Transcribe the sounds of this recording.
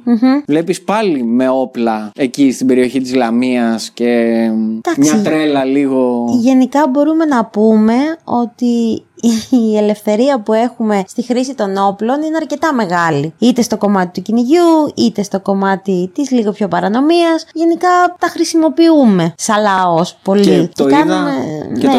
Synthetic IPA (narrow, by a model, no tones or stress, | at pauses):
m̩ɦm̩vlepispɐlime̞oplɐecist̪ibe̞ɾio̞çit̪izlɐmiɐsce̞d̪ɐksit̪ɾelɐliɣo̞ʝe̞nikɐbo̞ɾume̞nɐpume̞o̞t̪i | ele̞fθe̞ɾiɐpue̞xume̞st̪ixɾisit̪o̞no̞plo̞nineɐɾce̞t̪ɐme̞ɣɐliit̪e̞st̪o̞ko̞mɐt̪it̪uciniʝuit̪e̞st̪o̞ko̞mɐt̪it̪izliɣo̞pço̞pɐɾɐno̞miɐsʝe̞nikɐt̪ɐxɾisimo̞piume̞sɐlɐo̞spo̞licekɐnumene